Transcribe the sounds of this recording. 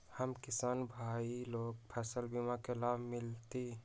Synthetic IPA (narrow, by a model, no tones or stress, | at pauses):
həmkɪsaːnbʱaːiloːɡ̚pʰɛːsəlbimakelaːbʱmɪlt̪i